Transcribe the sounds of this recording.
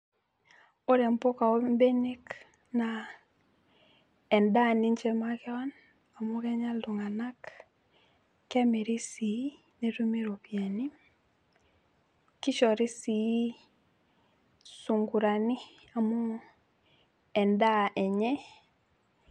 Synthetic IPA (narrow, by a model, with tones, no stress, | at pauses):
o˦ɾe˨mpo˦ka˨o˦mbe˦ne˦k | na˨ | ɛ˨nda˦˨ni˦ɲt͡ʃɛ˦ma˦kɛ˦wa˦n | a˨mo˦kɛ˦ɲa˦ldu˨ŋa˨na˦k | kɛ˦me˨ɾi˦si˨˦ | ne˨ɾu˦me˦ɾo˨pia˨ni˦ | ki˦ʃɔ˨ɾi˦si˨˦ | su˨ŋɡu˨ɾa˨ni˦ | a˨mo˦ | ɛ˨nda˦ʔɛ˨ɲɛ˦